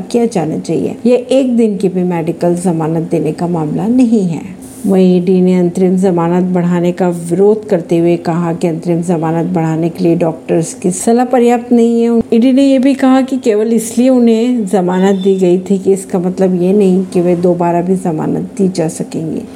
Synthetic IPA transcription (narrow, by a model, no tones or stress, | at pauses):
kijad͡ʒaːna̰t͡ʃa̰ːɦḭḛːjeʔeːk̚d̪ɪnkebʱimɛːɖɪkəlzɐmaːnət̪̚d̪eːnekamaːmlanɐɦĩɦɛ̰ː | ʋɐĩiːɖineɐ̃nt̪ɾɪmzɐmaːnət̪̚bɐɽ̤aːnekaʋɪɾoːd̪ʱkɐɾt̪eɦuekɐɦakiɐ̃nt̪ɾɪmzɐmaːnət̪̚bɐɽ̤aːnekelieɖɔːk̚ʈəɾzkisɐlapɐɾjaːp̚t̪nɐɦĩɦɛʊiːɖinejebʱikɐɦakikeːʋəlɪslieʊnɦẽzɐmaːnət̪̚d̪iːɡɐit̪ʰikiɪskamɐt̪ləbjenɐɦĩkiʋed̪oːbaːɾabʱizɐma̰ːnə̰t̪̚d̪iːd͡ʒaːsɐkẽːŋɡḛː